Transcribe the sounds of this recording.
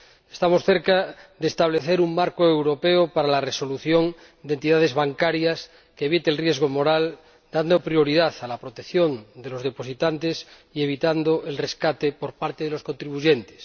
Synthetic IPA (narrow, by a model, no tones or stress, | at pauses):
est̪amosθeɾkaðeːst̪aβ̞leθeɾuŋmaɾkoewɾo̞peopaɾalareso̞luθjon | d̪ent̪iðað̞e̞zβaŋkaɾjas | keeβ̞it̪elrje̞zɣ̞omo̞ɾal | d̪and̪opɾjo̞ɾiðaθalapɾot̪ekθjond̪elo̞zð̞e̞po̞sit̪ant̪es | ie̞β̞it̪and̪oʔelreskat̪epoɾpaɾt̪eðelo̞sko̞nt̪ɾiβuʝent̪e̥s